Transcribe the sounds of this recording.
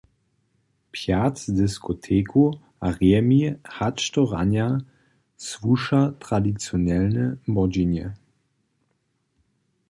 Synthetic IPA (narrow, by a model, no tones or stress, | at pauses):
pʰjadɪskʰotʰeːkʰu | aʁɛmihat͡ʃtɔʁa̰nja | svuʃatʁ̥adit͡sjonɛlnəmɔd͡ʒinjə